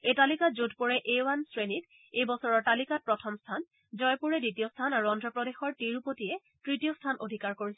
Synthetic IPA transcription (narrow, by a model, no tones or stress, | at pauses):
etalikatzudpɔɹɛʔejwansɹenit | ejbɔsɔɹɔɹtalikat̚pɹɔtʰɔmstʰan | zɔjpuɹɛditijɔstʰanaɹuɔndɹɔpɹɔdexɔɹtiɹupotijɛ | tɹitijɔstʰanʔodʱikaɹkoɹisɛ